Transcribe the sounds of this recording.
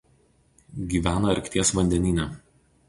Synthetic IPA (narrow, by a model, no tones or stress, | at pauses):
ɡʲiːʋʲæːnɐɐɾʲkt̪ʲiɛsʋɐnʲd̪ʲɛnʲiːnʲɛ